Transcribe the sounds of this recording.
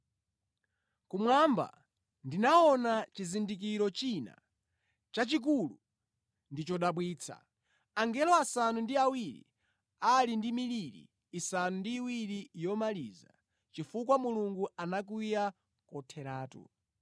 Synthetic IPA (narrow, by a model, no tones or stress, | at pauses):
kumwamba̰ | ndinaɔnat͡ʃizindik̬iɾɔt͡ʃina̰ | t͡ʃat͡ʃik̬ulu | ndit͡ʃɔɗaɓwiːt͡sʰa̰ | aŋɡɛlɔasanundiawiɾḭ | alindimiliɾḭː | sanundiːwiɾijɔmaliːza̰ | t͡ʃifukwamuluŋɡuanak̬uja | kɔtʰɛɾaːtṵ